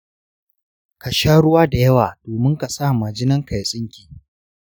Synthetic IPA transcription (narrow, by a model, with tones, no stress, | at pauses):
ka˨ʃaː˦ɽʊ˦waː˦da˨jɐ˦waː˨doː˨mɪ˦ŋka˨saː˦˨ma˨d͡ʒɪ˦nɐ˦ŋka˨jsʼɪ˦ŋkʲi̥ː˨